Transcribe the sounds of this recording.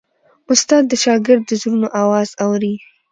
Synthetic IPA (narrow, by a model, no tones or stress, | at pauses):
ʊst̪ɑd̪ːəʃɑɡɪɾd̪ːəzɾunoʔawɑzawɾi